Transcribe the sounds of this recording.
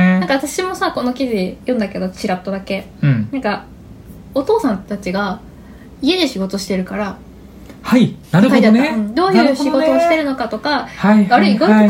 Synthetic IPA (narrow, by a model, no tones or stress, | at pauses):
nãŋkaβat̪aɕimo̞sako̞no̞kʲiʑijõnd̪ake̞d̪o̞t͡ɕiɾat̪ːod̪akẽ̞ | nãŋka | o̞t̪o̞ːsãnt̪at͡ɕiɡa | ie̞d̪eɕiɡo̞t̪o̞ɕi̥t̪e̞ɾɯ̟kaɾa | hainaɾɯkaid̪aɯ̃d̪o̞ːjɯ̟ːɕiɡo̞t̪o̞ːɕi̥t̪e̞ɾɯ̟no̞kat̪o̞kahaβaɾɯiɡo